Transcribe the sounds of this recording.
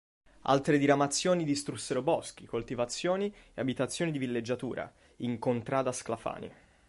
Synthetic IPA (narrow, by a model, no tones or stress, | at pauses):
a̰lt̪ɾed̪iɾamat̪sːjoːnid̪ist̪ɾusːeɾobɔsk̟ikolt̪ivat̪sːjoːnieabit̪at̪sːjoːnid̪ivilːed͡ʒːat̪uːɾa̰ | iŋkont̪ɾaːd̪asklafa̰ːnḭ